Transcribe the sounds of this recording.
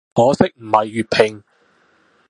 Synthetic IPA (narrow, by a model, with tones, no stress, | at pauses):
ŋɔː˨˧sɪ˥k̚m̩˨˩hɐ˨jːyː˨t̚pʰɪ˨˩ŋ